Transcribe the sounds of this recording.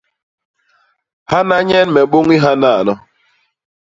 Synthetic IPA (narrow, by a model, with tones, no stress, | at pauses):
ha˦na˦ɲɛ˦nmɛ˨ɓo˦ŋi˦ɦa˦na˦˨nɔ˦